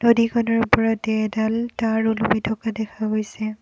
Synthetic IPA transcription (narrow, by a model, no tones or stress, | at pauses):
nodikʰɔnɔɹupɔɹɔtɛdaltaɹulumitʰɔkadɛkʰaɦojsɛ